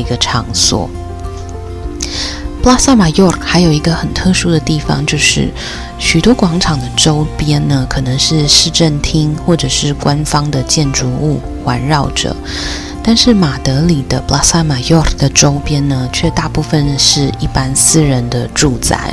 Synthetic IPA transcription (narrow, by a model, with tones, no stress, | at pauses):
i˧˥ɡə˧ʈ͡ʂʰɑ˧˥ŋswɔ̰˨˩˦ | pla˥sa˥ma˨˩jɔ˥˩kxa˧˥ɪjo˨˩ʊi˧˥ɡə˧xə˨˩nt̪ʰɤ˥˧ʂu˥d̪ə˨t̪i˥˩fɑ̰˧˩ŋt͡ɕjo˥˧ʊʂɻ̩̰˥˩ | ɕy˨˩t̪wɔ˥kwɑ˧˥ŋʈ͡ʂʰɑ˨˩ŋd̪ə˦ʈ͡ʂo˥ʊpjɛ˥nnə˨kʰɤ˨˩nɤ˧˦ŋʂɻ̩˥˧ʂɻ̩˥˧ʈ͡ʂə˥˩nt̪ʰi˥ŋxwɔ˥˩ʈ͡ʂɤ˨˩ʂɻ̩˥˩kwa˦nfɑ˥ŋd̪ə˨t͡ɕjɛ˥˩nʈ͡ʂu˧˥u˥˩ | xwa̰˧˦˥nɻɑ˥˩ʊʈ͡ʂɤ̰˨˩˦ | t̪a˥˧nʂɻ̩˥˩ma˨˩t̪ɤ˧˥li˨˩d̪ə˦pla˥sa˥ma˨˩jɔ˥˩d̪ə˩ʈ͡ʂo˥ʊpjɛ˥nnə˨t͡ɕʰɥɛ˥˧t̪a˥˧pu˥˧fə˨nd̪ə˩ʂɻ̩˥˧i˥˩pa˦nsɹ̩˥ɻə˧˦nd̪ə˧ʈ͡ʂu˥˧t͡sa̰˥˩ɪ